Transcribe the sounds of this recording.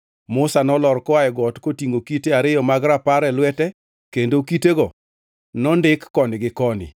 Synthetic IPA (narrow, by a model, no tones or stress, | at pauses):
mʊsanɔlɔɾkɔajɛɡɔtkotiŋɡokiteaɾɪjɔmaɡɾapaɾɛlwɛtɛ | kendokiteɡɔ | nɔndɪkːɔnɪɡɪkɔnɪ̰